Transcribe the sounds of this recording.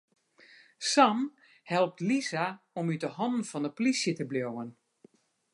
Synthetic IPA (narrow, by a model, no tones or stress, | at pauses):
sam | hɛlˠp̚tlizaɔmytəhɔndn̩fɔnəpolisjətəbljowən